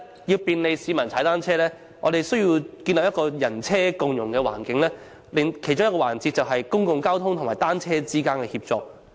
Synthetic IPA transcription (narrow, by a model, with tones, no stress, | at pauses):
jiː˧wpiː˧nle˨˧jsiː˨˧mɐ˨nt͡sʰaː˨˥jt̪aː˥nt͡sʰɛː˥lɛː˥ | ŋɔ̰˨˧ɾe˨jsɵ˥ɥjiː˧wkiː˧nlɐ˨p̚jɐ˥tkɔː˧jɐ˨˩nt͡sʰɛː˥kʊ˨ŋjʊ˨˩ŋkɛː˧wa̰ː˨˩nkɪ˨˦ŋlɛː˥ | lɪ˨˧ŋkʰe˨˩jt͡ʃʊ˥jɐ˥tkɔː˧waː˨˩nt͡siː˧t̚t͡sɐ˨wɦɐ˨jkʊ˥ŋkʊ˨ŋkaː˥wt̪ʰʊ˥ŋt̪ʰʊ˨˩ŋmaː˨˩t̪aː˥nt͡sʰɛː˥t͡siː˥kaː˥nkɛ˧hiː˧p̚t͡sɔ̰ː˧k̚